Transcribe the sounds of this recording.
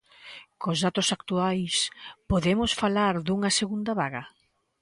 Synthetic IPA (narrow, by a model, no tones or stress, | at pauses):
kozðat̪ʊsakt̪uajspoðemʊsfalaɾðuŋɐseɣund̪ɐβaɣɐ